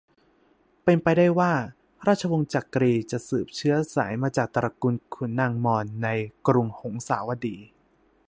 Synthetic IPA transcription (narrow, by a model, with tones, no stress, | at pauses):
pe˧npa˧jdaː˥˩jwaː˥˩ | ɾaː˥˩t̚t͡ɕʰa˧wo˧ŋt͡ɕa˨˩kːɾiː˧t͡ɕa˨˩ʔsɯː˨˩p̚t͡ɕʰɯ˦˥ɐsa̰ː˩˦jmaː˧t͡ɕaː˨˩k̚t̪ɾa˧ku˧nkʰu˩˦nːa˧ŋmɔː˧nːa˧jkɾu˧ŋho˩˦ŋsa̰ː˩˦wa˧diː˧